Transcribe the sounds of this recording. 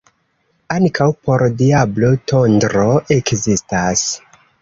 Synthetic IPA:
aŋkʰawpo̞ɾdiablotondɾo̞ʔekzistas

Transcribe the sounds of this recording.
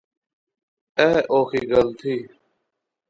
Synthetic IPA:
eːʔoːxʰiːɡəlt̪ʰiː

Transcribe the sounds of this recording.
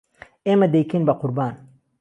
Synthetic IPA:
emɐd̪ejkinbɐqʊɾbaːn

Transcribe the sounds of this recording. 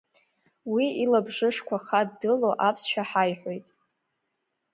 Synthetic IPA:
wiilabʐɨʂkʷʰaχaddɨloʔapʰsʃᶣaħajħʷo̞jtʼ

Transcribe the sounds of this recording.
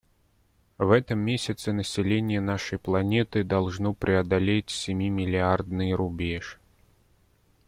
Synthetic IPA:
vɛt̪ɨmːʲesʲɐt̪sɨnəsʲɪlʲenʲɪjɛnaʂɐjplˠanʲɛt̪ɨd̪alˠʐnɔpɾʲʔɪɐd̪alʲet͡sʲsʲɪmʲimʲɪlʲɪard̪nɨjɾubʲeʂ

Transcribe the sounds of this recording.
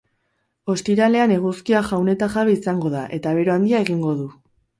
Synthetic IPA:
o̞st̪iɾale̞ane̞ɣ̞uskiaʝawne̞t̪axaβeisaŋɡo̞ðaʔe̞t̪aβ̞e̞ɾoand̪iae̞ɣiŋɡo̞ðu

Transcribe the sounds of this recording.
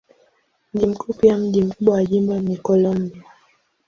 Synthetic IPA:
m̩ʄim̩kupijam̩ʄim̩kuɓwawaʄimbamikɔlɔmbia

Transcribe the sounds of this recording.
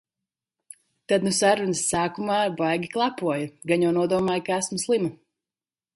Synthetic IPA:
t̪ad̪nusaɾunɨsːaːkumaːbajɡʲiklˠapuɔjɐɡaɲɔːnuɔd̪uɔmaːjkaæsmslˠimɐ

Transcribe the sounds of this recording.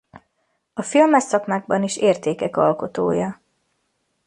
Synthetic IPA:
ɒfilmɛsɒkmaːɡ̚bɒniʃeːrt̪eːkɛkɒlko̞t̪oːjɒ

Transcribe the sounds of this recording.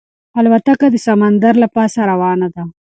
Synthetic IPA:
alwat̪akad̪əsamand̪aɾlapɑsaɾawɑnad̪a

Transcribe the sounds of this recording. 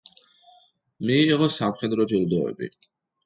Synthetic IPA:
miːʁɔsamχɛd̪ɾɔd͡ʒilˠd̪ɔɛ̰bḭ

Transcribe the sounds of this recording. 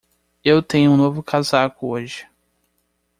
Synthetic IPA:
ewt̪ẽɲʊũnovʊkʰazakʊoʒɪ

